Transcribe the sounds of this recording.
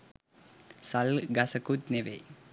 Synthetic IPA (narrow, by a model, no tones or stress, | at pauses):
sɐlɡɐsɐkutneʋḛ